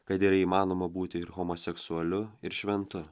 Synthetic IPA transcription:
kɐt̪iːɾɐiːmɑːnoːmɐbuːt̪ʲɪɪɾɣɔmoːsʲɛksʊɐlʲʊɪɾʃʲʋʲɛnt̪ʊ

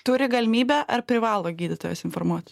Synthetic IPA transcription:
t̪ʊɾʲɪɡɐlʲɪmʲiːbʲæːʔɐɾpʲɾʲɪʋɑːlˠoːɡʲiːd̪ʲɪt̪oːjo̰ːsɪnfoɾmuɔt̪ʲ

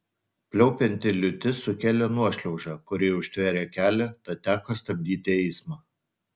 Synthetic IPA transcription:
pʲlʲɛʊpʲɛnʲt̪ʲɪlʲʊt̪ʲɪsʊkʲæːlʲoːnuɔʃʲlʲɛʊʒɑːkʊɾʲɪʊʃʲt̪ʲʋʲæːɾʲeːkʲæːlʲɛt̪ɐt̪ʲæːkoːst̪ɐbʲd̪ʲiːt̪ʲɪɛɪsmɑː

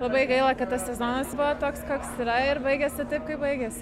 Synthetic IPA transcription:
lˠɐbɐɪɡɐɪlˠɐkɐt̪t̪ɐssʲɛzoːnɐsbʊʋɐt̪oːkskoːksɪɾɐɪɾbɐɪɡʲɛsʲɪt̪ɐɪpkɐɪpbɐɪɡʲɛsʲ

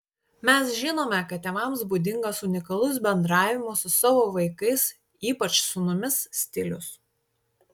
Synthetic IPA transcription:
mʲɛsʒʲɪnoːmʲɛkɐt̪̚ʲtʲɛmɐmsbud̪ʲɪŋɡɐsʊnʲɪkɐlˠʊs̬bʲɛnd̪ɾɑːʋʲɪmosʊsɑːʋoːʋɐɪkɐɪs | iːpɐt͡ʃsʊmʊmʲɪssʲt̪ʲɪlʲʊs

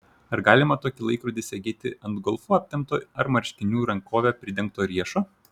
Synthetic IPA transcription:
ɐɾɡɑːlʲɪmɐt̪oːkʲɪlˠɐɪkɾʊd̪ʲɪsʲɛɡʲeːt̪ʲɪɐnd̪ɡɔlˠfuːɐpʲt̪ʲɛmt̪oːɐɾmɐɾʲʃʲt̪ʲɪnʲuːɾɐŋkoːʋʲɛpʲɾʲɪd̪ʲɛ̃ŋk̚t̪oːɾʲiɛʃoː

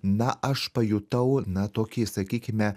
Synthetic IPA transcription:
nɐʔɐʃpɐjut̪ɐʊnɐt̪oːkʲisɐkʲiːkʲɪmʲɛ

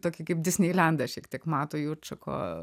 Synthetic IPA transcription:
t̪oːkʲikɐɪp̚d̪ʲɪsʲnʲiːlʲænd̪ɐʃʲikt̪ʲiɛkmɑːt̪ojuːt͡ʃɐkʰo̰ː

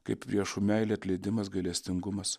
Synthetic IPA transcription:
kɐɪppʲɾʲiɛʃumʲæɪlʲeːɐt̪ʲlʲɛɪd̪ʲɪmɐs̬ɡɐɪlʲɛsʲt̪ʲɪŋɡʊmɐs

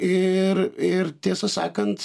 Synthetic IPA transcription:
eɾeɾt̪esɐsa̰kɐnt͡s

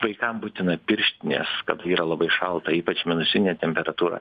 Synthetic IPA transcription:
ʋɐɪkɐmbuːt̪ʲɪnɐpʲɪɾʲʃʲt̪ʲɪnʲḛːskɐt̪iːɾɐlˠɐbɐɪʃɐlˠt̪ɐiːpɐt͡ʃmʲɪnʊsʲɪnʲeːt̪ʲɛmʲpʲɛɾɐt̪uːɾɐ̰

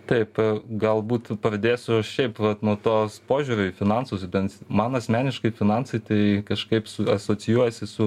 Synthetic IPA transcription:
t̪ɐɪpɡɐlˠbuːt̪pɾɐd̪ʲeːjsʊɐʃʲɛɪpʋɐt̪nuɔt̪oːspoːʒʲuːɾʲʊfʲɪnɑnsʊsbʲɛnt̪mɐnɐsʲmʲæːnʲɪʃkɐɪfʲɪnɑnsɐɪt̪ɐɪkɐʃkɐɪpsʊɐsoːt͡s̪ʲɪjuɔjɛsʲɪsʊ

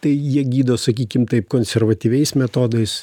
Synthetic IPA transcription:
t̪ɐɪjiɛɡʲiːd̪oːsɐkʲiːkʲɪmt̪ɐɪp̚koːnʲsʲɛɾʋɐt̪ʲiːʋʲɛɪsmʲɛt̪oːd̪ɐɪs

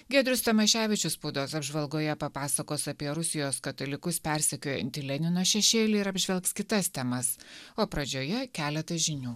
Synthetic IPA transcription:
ɡʲɛd̪ʲɾʲʊst̪ɐmɐʃʲæːʋʲɪt͡ʃʲʊspuːd̪oːsɐbʒʋɐlˠɡoːjɛpɐpɑːsɐkoːsɐpʲiɛɾʊsʲɪjoːskɐt̪oːlʲɪkʊspʲæˑɾʲsʲɛkʲoːjɛ̰nʲt̪ʲɪlʲɛnʲɪnoːʃʲɛʃʲeːlʲiːɪɾɐbʲʒʲʋʲɛlˠkskʲɪt̪ɐst̪ʲɛmɐsoːpɾɐd͡ʒʲoːjɛkʲæːlʲɛt̪ɐʒʲɪnʲuː

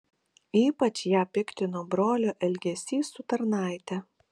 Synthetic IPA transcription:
iːpɐt͡ʃjæːpʲɪkt̪ʲɪnoːbɾoːlʲoːʔɛlʲɡʲɛsʲiːsʊt̪ɐɾnɑˑɪt̪ʲɛ

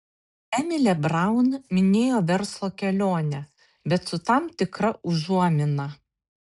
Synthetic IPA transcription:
ɛmʲɪlʲɛbɾɑˑʊnmʲɪnʲeːjoːʋʲɛɾslˠoːkʲɛlʲoːnʲɛ | bʲɛt̪sʊt̪ɑmt̪ʲɪkɾɐʔʊʒuɔmʲɪnɐ

